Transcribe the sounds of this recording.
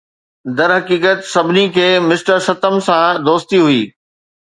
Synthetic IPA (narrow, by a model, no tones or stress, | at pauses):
d̪ɐɾɦɐkiːkət̪sɐbʱɪnikʰeːmɪsʈəɾsɐt̪əmsãd̪oːst̪iɦʊiː